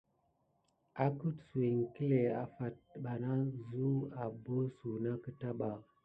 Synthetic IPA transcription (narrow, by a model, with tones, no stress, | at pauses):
a˨ku˦tsu˨e˨ŋ˨ki˦le˨a˨fa˨t̚ɓa˨na˦zu˦a˨bo˦su˨na˦kə˦ta˦ɓa˨